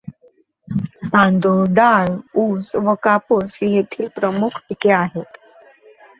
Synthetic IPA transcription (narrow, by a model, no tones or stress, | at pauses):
t̪ãnd̪oɖaɭusʋəkaposijet̪ʰiːlpɾəmukʰʈikeaɦet̪